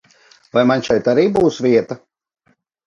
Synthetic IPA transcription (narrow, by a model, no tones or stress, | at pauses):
vajmanʲʃɛjt̪aɾiːbuːsviɛt̪ɐ